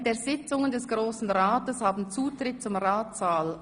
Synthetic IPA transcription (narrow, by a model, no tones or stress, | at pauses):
deːɐz̥ɪt͡sʊŋəndɛsɡ̥ʁoːsn̩ʁaːtəshaːbn̩t͡suːtʁ̥ɪt̚t͡sʊmʁaːtaːl